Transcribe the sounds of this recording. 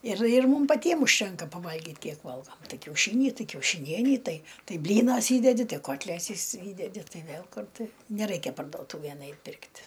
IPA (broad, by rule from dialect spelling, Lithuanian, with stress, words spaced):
ɪr ɪr ˈmʊm pɐˈtʲiɛm ʊʃʲˈtʲɛŋkɐ pɐˈʋɐlʲɡʲɪt ˈkʲiɛk ˈʋɐlˠɡoːm ˈtɐɪ kʲɛʊˈʃʲiːnʲɪ ˈtɐɪ kʲɛʊʃʲɪˈnʲiɛnʲiː ˈtɐɪ ˈtɐɪ ˈbʲlʲiːnɐs ˈiːdʲɛdʲɪ ˈtɐɪ ˈkoːtʲlʲɛsʲɪs ˈiːdʲɛdʲɪ ˈtɐɪ ˈʋʲeːlˠ ˈkʊr ˈtɐɪ nʲɛˈrɐɪkʲɛ pɐrdoːˈtuːʋʲeːn ˈɐɪtʲ ˈpʲɪrktʲ